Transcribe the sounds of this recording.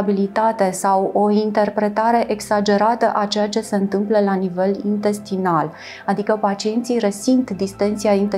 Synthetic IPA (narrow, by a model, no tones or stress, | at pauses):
bilit̪at̪e̞sawo̞int̪e̞rpɾe̞t̪aɾe̞ʔeɡsad͡ʒe̞ɾat̪əʔat͡ʃe̞jat͡ʃe̞se̞ɨnt̪ɨmpləlanive̞lint̪e̞st̪inal | ad̪ikəpat͡ʃie̞nt̪sijresint̪d̪ist̪ent̪siaint̪e